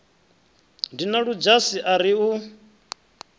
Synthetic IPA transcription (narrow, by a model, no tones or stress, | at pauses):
ndinaɺud͡ʒasiʔaɾiu